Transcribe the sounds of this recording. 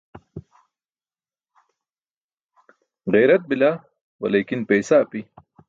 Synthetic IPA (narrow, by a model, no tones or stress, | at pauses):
ɣejɾɐt̪̚bila | wɐ̰leːkinpeːsapi